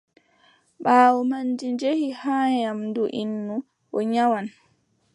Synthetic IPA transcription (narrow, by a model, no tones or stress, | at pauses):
ɓaːwɔmanːd͡ʒind͡ʒehihaːjamduʔinːu | ʔɔɲawan